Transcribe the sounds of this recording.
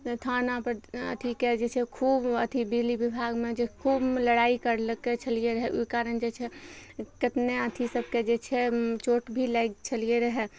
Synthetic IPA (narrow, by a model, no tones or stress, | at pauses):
t̪ʰanapəɾə̰t̪ʰiked͡ʒet͡ʃʰɛkʰuːbət̪ʰibilibibʱaɡmed͡ʒekʰubləɽaːikəɾləket͡ʃʰəlieɾəɦɛʔoikaɾənd͡ʒet͡ʃʰɛkɪt̪neət̪ʰisəb̚ʱked͡ʒet͡ʃʰɛt͡ʃoʈbʱilaɡt͡ʃʰəlieɾəɦɛ